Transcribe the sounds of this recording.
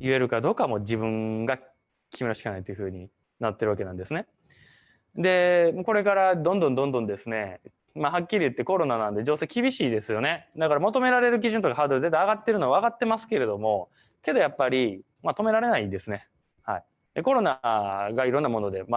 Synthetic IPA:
jɯ̟e̞ɾɯ̟kad̪o̞ːkamo̞d͡ʑibɯ̟̃ŋɡa | kʲʰimʲinoɕi̥kanait̪ojɯ̟hɯ̟ːɲ̟i | nat̪ːeɾɯβake̞nã̰nd̪e̞sɨne̞ | d̪e̞mako̞ɾe̞kaɾad̪õ̞nd̪õnd̪õnd̪õnd̪e̞sɨne̞ | mahakʲːiɾʲiɯ̟t̪ːe̞ko̞ɾo̞nanãnd̪e̞d͡ʑo̞ːse̞ːkʲibʲiɕiːd̪e̞sɨjo̞ne̞d̪akaɾamot̪o̞me̞ɾaɾe̞ɾɯ̟k̬ʲiʑɨ̃nt̪o̞kaɦaːd̪oɾɯ̟zet̪̬ːajaɡat̪ːe̞ɾɯnoβaaɡat̪ːe̞masɨ̥ke̞ɾe̞d̪o̞mo̞ | ke̞d̪o̞japːaɾʲi | mat̪o̞me̞ɾaɾe̞naid̪e̞sɨne̞ | hai | d̪eko̞ɾo̞naɡaiɾonːamo̞no̞d̪e̞ma

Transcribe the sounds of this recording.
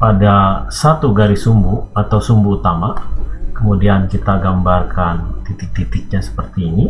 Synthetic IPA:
padasat̪uɡaɾisumbuat̪awsumbuːt̪amakəmudiankit̪aɡambarkant̪it̪ɪk̚t̪it̪ɪk̚ɲasə̥pərt̪iːni

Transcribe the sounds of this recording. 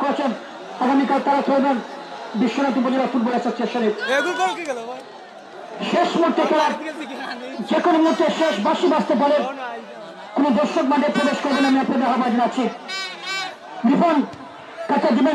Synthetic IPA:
koɾet͡ɕʰen | aɡamikalt̪aɾat̪ʰoebenbiʃːoɾat̪̬upod͡ʑoɾat̪uɾbolaʃʰaɾst͡ɕeʃʈaɾe | ʃeʃmot̪ːet̪oɾaɾ | d͡ʑekonomiɦuɾt̪ːeʃeʃbaʃibast̪epoleɾ | konod̪oɾʃok̚baɳɖeɾpɾobeʃkoɾbenamiapnaɾd̪aɦʰabad͡ʑ̪enat͡ɕʰi | d̪ifʰon | kat̪ad̪ibe

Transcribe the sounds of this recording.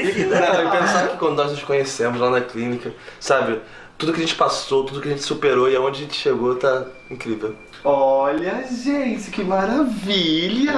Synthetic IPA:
ɛɛpẽsakɪkɐ̃nd̪ʊnɔznʊʃkõɲesẽmʊzlanɐklĩnikɐsabɪ | t̪ud̪ʊkɪɐʒẽt͡ʃɪpasot̪ud̪ʊkɪɐʒẽt͡ʃɪ̥supeɾoɪɐõd͡ʒɪɐʒẽt͡ʃɪ̥ʃeɡot̪a | ĩkɾivew | ɔlɐʒẽnt͡ʃɪkɪmaɾavilɐ

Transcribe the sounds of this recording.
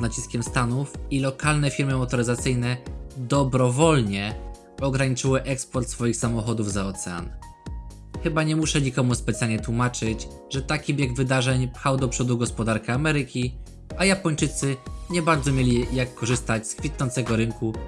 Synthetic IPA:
nat͡ɕiskʲɛmst̪anufilɔkalnɛfʲiɾmɘmɔt̪ɔɾɘzat̪sɘjnɛd̪ɔbɾɔvɔlɲɛ | ɔɡɾaɲit͡ʂɘwɘʔɛkspɔɾt̪sfɔjixsamɔxɔd̪uvzaɔt̪sɛa̰n | xɘbaɲɛmuʂɛɲikɔmuspɛt̪sʲjalɲɛt̪wumat͡ʂɘt͡ɕ | ʐɛt̪akʲibjeɡvɘd̪aʐɛɲpxawd̪ɔpʂɔd̪uɡɔspɔd̪aɾkɛamɛɾɘkʲi | ajapɔɲt͡ʂɘt̪sɘɲɛbaɾd̪zɔmʲjelʲijakːɔʐɘst̪at͡ɕskfʲit̪nɔnt̪sɛɡɔɾɘŋku

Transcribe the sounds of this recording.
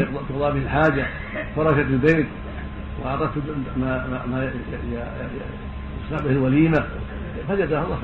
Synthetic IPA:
q̪t̪ʊqd̪ˤɑbɪhɪlħaːd͡ʒa | fɑɾˤɑʃat̪albeːt̪ | wɪʕɑt̪ˤɑd̪̚t̪mama | ɑsˤnaʕbɪhɪlwaliːma | fad͡ʒad̪ahalˤːɑ

